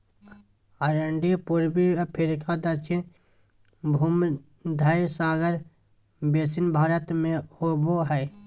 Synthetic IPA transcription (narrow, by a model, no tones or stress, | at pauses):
ɐɾəɳɖipuɾbiɐpʰeɾɪkad̪ət͡ʃʰɪn | bʱuːm | d̪ʱajsaːɡəɾ | beːsɪnbʱaːɾət̪mẽhoboɦɛː